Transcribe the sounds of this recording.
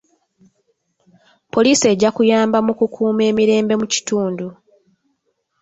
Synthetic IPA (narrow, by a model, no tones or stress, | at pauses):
po̞liːse̞ːɟːakujaːmbamukukʰuːme̞ːmiɾe̞ːmbe̞muci̥tuːndu